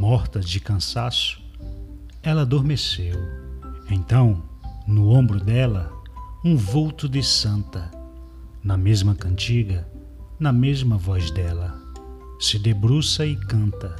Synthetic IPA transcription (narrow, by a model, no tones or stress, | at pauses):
mɔɾt̪ɐd͡ʒɪkɐ̃sasʊ̥ | ɛlɐːd̪oɾmesewẽt̪ɐ̃w̃nʊõbɾʊd̪ɛlɐũvowt̪ʊd̪ɪsɐ̃nt̪ɐ | nɐmezmɐkɐ̃nt͡ʃiɡɐ | nɐmezmɐvɔzd̪ɛlɐ | sɪd̪ebɾusɐɪkɐ̃nt̪ɐ